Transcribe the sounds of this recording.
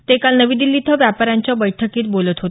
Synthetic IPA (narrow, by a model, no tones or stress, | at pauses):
t̪ekalnəʋiːd̪ilːiːt̪ʰəʋjapəɾjaɲt͡ɕjabəjʈʰəkiːt̪̚bolət̪ɦot̪